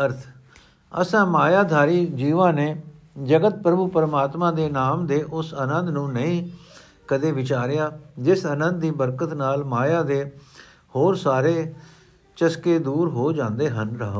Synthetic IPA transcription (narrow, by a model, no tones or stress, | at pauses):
əɾt̪ʰ | ə̰sãːmaːjaːd̪ʱaːɾiːd͡ʒiːʋãːneː | d͡ʒəɡət̪̚pɾəbuːpəɾmaːt̪mãːd̪eːnaːmd̪eːʔʊsənə̃nd̪nũːnəĩː | kəd̪eːʋɪt͡ʃaːɾɪjaːd͡ʒɪsənə̃nd̪̚d̪iːbəɾkət̪naːlmaːjaːd̪eː | hoːɾsaːɾeː | t͡ʃəskeːd̪uːɾɦoːd͡ʒãːnd̪eːɦənɾəɦoː